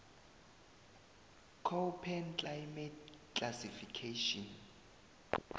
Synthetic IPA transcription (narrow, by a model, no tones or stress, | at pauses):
kʰopʰɛnt͡ɬʼajmɛtkasifikʰeʃɔn